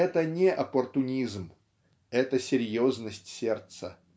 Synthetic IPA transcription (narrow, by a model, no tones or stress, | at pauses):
ɛt̪ənʲɪʔɐpərt̪ʊnʲizm | ɛt̪əsʲɪɾʲjoznəsʲtʲsʲert̪sə